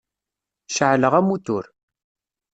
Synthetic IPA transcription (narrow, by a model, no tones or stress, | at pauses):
ʃəʕləʁæmut̪ṵɾ